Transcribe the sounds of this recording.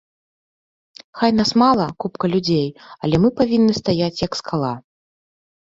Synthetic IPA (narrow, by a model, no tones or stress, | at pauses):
xajnasmalˠɐkupkɐlʲud͡zʲejɐ̰lʲɛmɨpavʲinːɨst̪ajat͡sʲjɐkskalˠa